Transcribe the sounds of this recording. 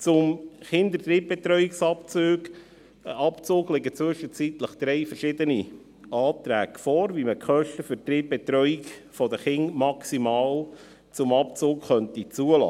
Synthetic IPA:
t͡sʊmχɪnd̪ət̪ɾiːp̚bɛt̪ɾœʏiksɑpt͡søːɡ | ɑpt͡soːɡlɪɡət͡sʋʏʃət͡sit̪ləχd̪̥ɾɛɪfəɾʃɪd̪əni | ɑːt̪ɾæːkfɔːɾviməkχœʃtəfʏɾt̪ɾiːp̚bɛt̪ɾœʏikfɔd̪əχɪŋmɑksimɑːl | t͡sʊmɑpt͡soːkχœnt̪it͡suəlɑ̰ː

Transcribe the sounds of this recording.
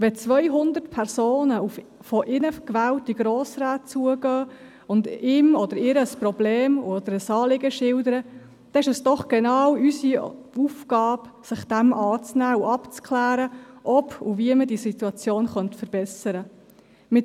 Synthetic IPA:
ʋɛt͡sʋœjɦʊnd̪əɾtpʰɛɾsoːnəuf | fɔʔɪnəkʋæːwtiɡɾoːsɾaːt̚t͡suəɡœː | ʊndɪːmɔd̥əɾɪɾəəsprɔbleːmuɔd̥̪əɾəsɑːlɪɡəʃɪldəɾə | d̥̪ɛɪʃɛsd̥ɔχɡ̥ɛnɑːwysi | ufkɑːbsɪχd̥æmʔɑːt͡snæːuɑpt͡sklæːɾəʔɔpṵviəmədisit̪uɑt͡sjoːnχœntfəɾb̥ɛsəɾə | mɪ

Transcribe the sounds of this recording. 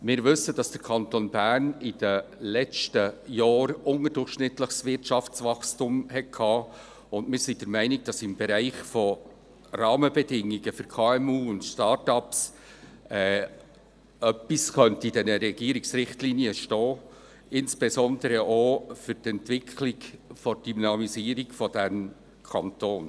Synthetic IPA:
mɪːɾvɵsːəd̥ɑsd̥əɾkʰɑnt̪onbæɾnɪd̥əlɛt͡stəjɑːɾʊŋəɾdʊrχʃnɪtləχsvɪɾtʃɑft͡svɑχstʊmhɛt̚kʰɑː | ʊndmɪːɾsid̥əɾmæɪnɪɡ̚d̥ɑsɪmbɛɾæɪχfɔ | rɑːməbɛdɪŋːiɡəfʏɾkʰɑːɛmuːʊntʃtɑːɾtɑps | ɛː | œpiskœntəid̥ɛnəɾɛɡ̥iːɾɪksɾɪχtliːniəʃtɔː | ɪnsb̥ɛzɔndəɾəʔoːfʏɾtɛntv̥ɪkʰlɪɡfɔd̥ynɑmiziːɾɪɡfɔd̥ɛm | kʰɑntoːn

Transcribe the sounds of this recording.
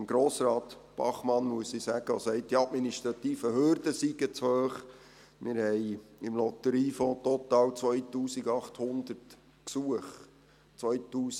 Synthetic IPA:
mɡ̥ɾoːsɾɑːt̪b̥ɑ̰χmɑnmuəsisæɡ̥əɔsɛɪt̚d̥iɑtminiʃt̪ɾɑt̪iːfəhøɾd̥əsiɡət͡shøːχ | mɪɾhɛɪɪmlɔt̪əɾiːfɔ̃ːt̪ɔt̪ɑːwt͡sʋœjtuːsiɡɑχthʊnd̪ərt | ksuəχ | t͡sʋœʏt̪uːs

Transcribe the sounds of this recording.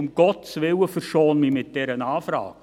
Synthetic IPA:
ʊmɡ̥ɔtsʋɪwəfərʃoːnmiːmɪt̚d̥ɛɾənɑːfɾɑ̰ːk̚

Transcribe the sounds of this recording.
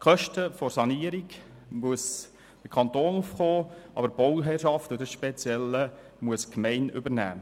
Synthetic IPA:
kʰχœʃtəfɔɾsɑniəɾiɡmuəs | d̥əkʰɑnt̪oːnufχoːʔɑ̰bəɾb̥owɦɛrʃɑftʊdəsʃpɛt͡sjɛlːə | muəskmɛɪnʏbəɾnæ̰ː

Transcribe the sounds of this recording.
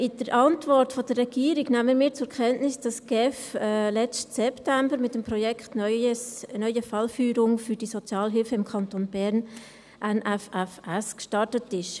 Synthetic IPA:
ʔɪd̥əɾʔɑntvɔɾtfod̥ərːɛɡ̥iːəɾiɡnæməmiːt͡sʊɾkʰɛntnɪsd̥ɑsɡ̥ɛfɛlɛt͡stsɛptæmbəɾmɪtəmpɾɔjɛkχt | nœʏəfɑlfyːɾʊŋfyɾd̥isɔt͡sjɑːlɦɪlfəɪmkʰɑntonbɛɾn | ʔænʔæfæfæskʃtɑrtətɪʃ

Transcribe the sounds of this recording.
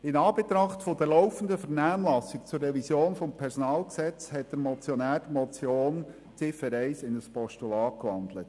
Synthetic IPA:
ɪnɑːb̥et̪ɾɑχtfɔdɛɾlɔʊfən̩dəfɛɾnæːmlɑsɪkt͡surːɛvisjoːnfɔmpʰɛɾsɔnɑːlksɛt͡shɛt̚d̥əɾmɔt͡sjɔnæːɾd̥əmɔt͡sjoːn | t͡sɪfəɾɛɪsɪnəspɔʃtulɑːkʋɑnd̪lət

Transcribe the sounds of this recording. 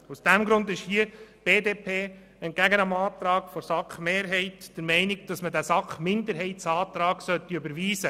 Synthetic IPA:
usd̥æmɡɾʊnd̪ɪʃhiəb̥eːdeːpʰeː | ənɡ̥æɡənɑmɑːt̪ɾɑːɡ̥fɔɾsɑkχmeːɾɦɛɪtd̥əɾmɛɪnɪɡd̥ɑsmədæsɑkχmɪnd̪əɾɦɛɪtsɑːt̪ɾɑːɡ̥sœt̪ːiɵbəɾʋiːsə

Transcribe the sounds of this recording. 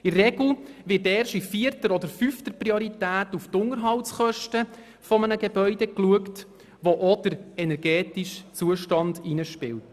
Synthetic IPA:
ɪrːɛɡl̩ʋɪtɛːɾʃifiːərtəɾɔdəɾfyftəprioɾitæːtuftʊŋəɾɦɑltsχœʃtə | fɔmənəɡebœʏdɛkluəkt | ʋoʔod̥əɾɛnɛɾɡɛːtiʃt͡suəʃtɑndinəʃpɪ̰lt

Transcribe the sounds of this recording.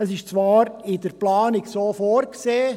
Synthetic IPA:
əsɪʃt͡sʋɑːɾɪdəɾplɑːnɪksoːfoːɾkseː

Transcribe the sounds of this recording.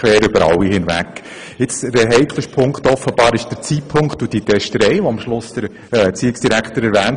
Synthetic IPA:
kʋɛːɾʏbəɾɑ̰lːihɪnvæ̰kː | ɪt͡sdəɦɛɪkʰləʃpʰʊŋktɔfːəb̥ɑːɾɪʃd̥əɾt͡siːpʰʊŋkχtud̥itɛʃtəɾɛɪʋoɑmʃlʊsd̥əɾ | t͡siːɪksd̥iɾækχtəɾɛɾʋæːnt

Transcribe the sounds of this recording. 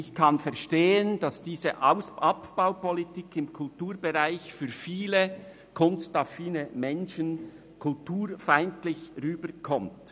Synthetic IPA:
ɪçkʰɑnfɛɐʃteːənd̥ɑsd̥iːzəʔaʊsʔɑpb̥aʊpɔlitikʰɪmkʰʊltuːɾbɛʁaɪçfyːɾfiːlə | kʰʊnstʁɑfiːnəmɛnʃən | kʰʊltʰuːɾfaɪntlɪçʁyːbəɾkʰɔmt

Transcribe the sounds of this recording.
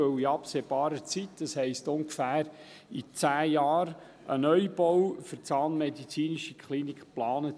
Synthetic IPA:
ɵwiɑpseːb̥ɑːɾət͡sitd̥ɑshɛɪstʊŋɡfæːɾ | it͡sæːjɑːɾ | ʔənœʏb̥ɔwfəɾt͡sɑːnmɛdit͡siːniʃikχlinikχplɑːnət

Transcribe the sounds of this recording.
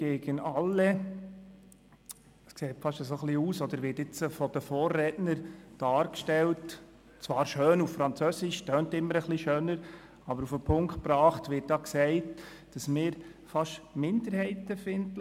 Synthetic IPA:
ɡ̥eːɡənɑlːɛ | skseːtfɑʃəsoχliuːsɔd̪əɾʋɪːtɪt͡səfɔd̥̪əfɔːrːɛdnəɾd̥ɑːɾkʃtɛlt | t͡svɑːɾʃøːnuffɾɑnt͡sœsɪʃtœːntɪmːəɾəχliʃøːnəɾ | ɑbəɾufəpʰʊŋkt̚pɾɑːχtʋɪːt̚d̥ɑːksɛɪt | d̥ɑsmɪːɾfɑʃmɪndəɾhɛɪtəfɪnd

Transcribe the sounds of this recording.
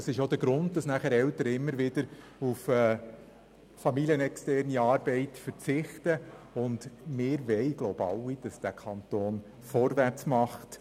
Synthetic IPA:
ɑsɪʃod̪əɾɡ̥ɾʊnd̚d̥ɑsnæχæɾɛwtəɾəɪmːəɾʋɪdəɾ | ufɛː | fɑmiliənɛkstɛrniɑːɾbɛɪtfəɾt͡sɪχtəʊndmɪːɾʋɛɪɡ̥lowbɑ̰wid̥ɑsd̥ækʰɑnt̪oːn | fɔɾʋært͡smɑχt

